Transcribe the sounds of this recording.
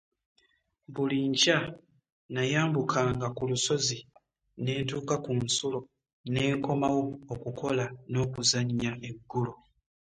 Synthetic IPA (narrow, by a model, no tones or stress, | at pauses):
βuliɲca | najaːmbukʰaːŋɡakuluso̞zi | ne̞ːntuːkakunsulo̞ | ne̞ːŋko̞mawoːkukʰo̞lano̞ːkuzaɲːae̞ɡːulo